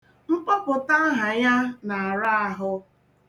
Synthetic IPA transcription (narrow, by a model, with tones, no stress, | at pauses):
ŋ͡m̩˦k͡pɔ˦pʊ˨ta˦ɦa˨ja˦na˨a˨ɾa˦a˦ɦʊ˦